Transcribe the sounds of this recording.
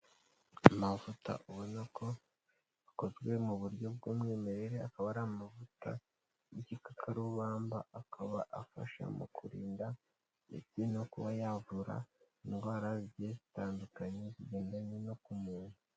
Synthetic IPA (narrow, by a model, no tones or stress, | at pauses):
amavuta̰ʔuβo̞nako̞ | ako̞zɡwe̞muβuɾɟo̞b̚ɡuːmŋe̞ːme̞ɾe̞ɾe̞akaβaɾamavuta | jicikakʰaɾuβaːmba̰akʰaβaʔafa̰ʃa̰mṵkuɾiːnda | mḭtinokuβajavuɾa̰ | iŋɡwaːɾazɟezitaːndukaɲe̞ziɟe̞ːndaɲeno̞kumuːn̥u